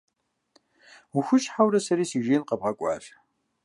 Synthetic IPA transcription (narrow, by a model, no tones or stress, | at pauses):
uxʷʊʃħawɾɐsɐɾiːsiːʒeːnqɐb̚ʁɐkʷʼɑ̰ːf